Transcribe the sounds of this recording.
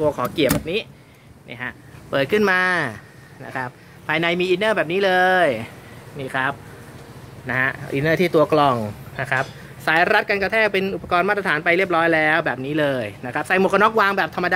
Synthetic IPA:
t̪u˧ɐkʰɔː˩˦ki˨˩p̚bɛː˨˩niː˦˥ | nḭ˥˩ha˦˥ʔ | pːɤː˨˩t̪̚kʰɯ˥˩nmaː˧ | na˦˥kʰa˦˥p̚ | pʰːaː˧jna˧jmiː˧ʔiː˧nɤː˥˩bɛː˨˩p̚niː˦˥lɤː˧jniː˥˩kʰɾa˦˥p̚ | na˦˥ɦa˦˥ʔʔḭ˧nɤː˥˩t̪ʰiː˥˩t̪u˧ɐklɔ˧˩ŋna˦˥kʰɾa˦˥p̚ | saː˨˦˥jɾa˦˥t̪̚ka˧nka˧t̪ʰɛː˥˩k̚pe˧nʔu˨˩pa˧kɔː˧nmaː˥˩ɾa˧t̪aː˩˦npa˧jɾi˥˩əp̚ɾɔː˦˥jlɛː˦˥wbɛː˨˩p̚niː˦˥lɤː˧jna˦˥kʰa˦˥p̚sa˧˩jmo˨˩kʰa˧nɔ˦˥k̚waː˧ŋbɛː˨˩p̚t̪ʰa˧mːa˧daː˧

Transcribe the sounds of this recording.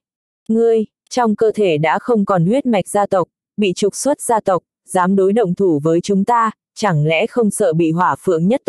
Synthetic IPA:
ŋɨ˨˧˩əj | t͡ɕɔ˧wŋ͡mkəː˧t̪ʰe˧˩ɗa̰ː˧˥xə˧wŋ͡mkɔ˨˩nhwi˦˥t̚ma˨˩jk̟̚zaː˧t̪ə˨˩wk͡p̚ | ɓḭ˧˨t͡ɕʊ˨˩k͡p̚swə˦˥t̚zaː˧t̪ə˨˩wk͡p̚ | zaː˨˦mɗo˨˦jɗə̰˧˨wŋ͡mt̪ʰu˧˩vəː˨˦jt͡ɕʊ˨˦ŋ͡mt̪aː˧ | t͡ɕa˧˩ŋlɛ̰˧˥xə˧wŋ͡msə̰ː˧˨ɓḭ˧˨ɦwaː˧˩fɨ̰˧˨əŋɲə˦˥t̚

